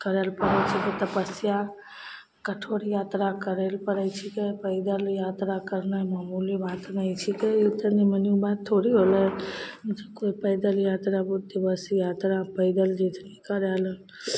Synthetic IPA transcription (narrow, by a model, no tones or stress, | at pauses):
kəɾelpəɾɛt͡ʃʰiket̪əpəsija | kəʈʰoɾjat̪ɾakəɾelpəɾəjt͡ʃʰikepəɪd̪əljat̪ɾakəɾnəmaːmulibat̪nəjt͡ʃʰikeit̪əniməniubatt̪ʰːoɾiɦolɛ | d͡ʒəkoipəɪd̪əljat̪ɾabud̪ibəsjat̪ɾapəɪd̪əld͡ʒet̪ʰnikəɾalə